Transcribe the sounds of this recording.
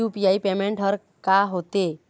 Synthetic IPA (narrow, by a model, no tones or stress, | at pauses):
upijaipemẽɳʈɦəɾ | kaɦot̪e